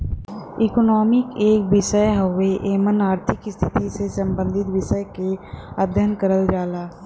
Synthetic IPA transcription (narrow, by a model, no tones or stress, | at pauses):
ɪkonɔːmɪkeːkʋɪʃəjɦəʋeʔeːmənaːɾt̪ʰɪkɪst̪ʰɪt̪isesə̃mbə̃nd̪ʱɪt̪ʋɪʃəjkead̪ʱjənkəɾəld͡ʒaːlaː